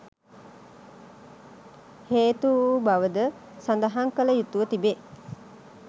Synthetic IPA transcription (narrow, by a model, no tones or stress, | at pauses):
heːt̪ubaʋəd̪ə | sand̪ɐɦaŋkələjut̪uʋət̪ibe